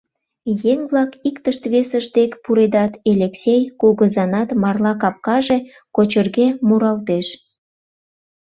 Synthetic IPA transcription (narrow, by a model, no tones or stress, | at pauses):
jeŋβlɑkikt̪əʃt̪βesəʃt̪ekpuɾed̪ɑt̪elʲeksejkuɣəzɑnɑt̪mɑrlɑkɑp̚kɑʒe | kot͡ɕərɣemuɾɑlt̪eʃ